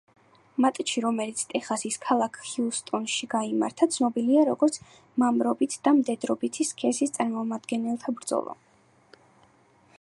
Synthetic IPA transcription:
mat̪ʼt͡ʃʰiɾɔmɛlit̪sʰt̪ʼɛχasiskʰalˠakʰhiust̪ʼɔnʃiɡaima̰ɾt̪ʰat̪sʰnɔbiliaɾɔɡɔɾt̪sʰ | mamɾɔbit̪ʰd̪̥amd̪ɛd̪ɾɔbit̪ʰiskʰɛsist̪sʼaɾmɔmad̪ɡɛnɛlˠt̪ʰabɾd̪z̥ɔ̰lˠɔ̰

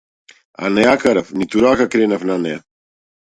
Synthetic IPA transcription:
a̰nɛjakaɾafnit̪uɾakakɾɛnafnanɛja̰

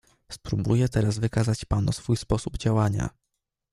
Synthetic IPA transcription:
spɾubujɛt̪ɛɾazvɘkazat͡ɕpanusfujspɔsubd͡ʑawaɲa̰

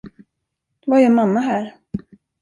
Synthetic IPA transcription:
d̪̥vaɛɾɛnmamːaɦæːɾ

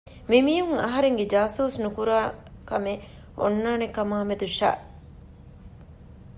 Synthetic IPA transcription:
mimiːɦuŋɐɦɐɾeŋɡed͡ʒaːsuːsnukuɾaːkɐme | o̰nːaːnekɐmaːmed̪uʃa̰ː

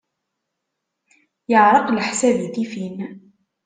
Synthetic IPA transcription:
jəʕɾˤɑqlħsæbid̪ifin

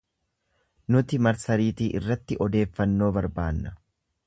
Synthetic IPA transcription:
nʊt̪ɪmɐɾsɐɾiːt̪iːʔɪrːɐt̪ːɪʔɔd̪e̞ːfːɐnːo̞ːbɐɾbaːnːɐ̥

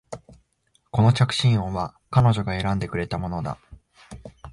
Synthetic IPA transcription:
ko̞no̞t͡ɕakɯ̟̥ɕĩɰ̃õβa | kano̞ʑo̞ɡae̞ɾãnd̪e̞k̟ɾe̞t̪amo̞no̞d̪a̰

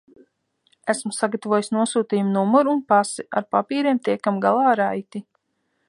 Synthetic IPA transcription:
æsmusaɡat̪avoɔjisnuɔsuːt̪iːjumnumɔɾunpasiʔa̰ɾpapiːɾiɛmt̪iɛkamɡalˠɑːɾajt̪i

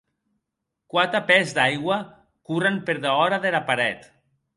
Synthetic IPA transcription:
kwat̪apɛzd̪ajɣwa | kurampeɾðaɔɾaðelapaɾɛt̪

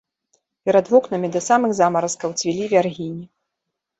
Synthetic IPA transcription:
pʲɛɾad̪vɔknɐmʲid̪ɐsamɨxzamɐɾɐskɐwt͡sʲvʲilʲivʲarɣʲinʲi

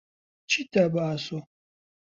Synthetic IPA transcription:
t͡ʃitabaːso

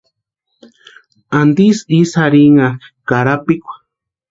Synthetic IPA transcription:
and̪isisaɾiŋakaɾapikʷḁ

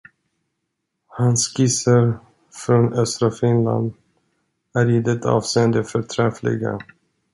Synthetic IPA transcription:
hanskɪsaɾ | fɾonœst̪ɾafɪnla̰nd̪ | æɾid̪ɛt̪ʰɑ̰ːvseːənd̪əfœɾʈ̪ʰɾɛflɪ̰ɡa̰

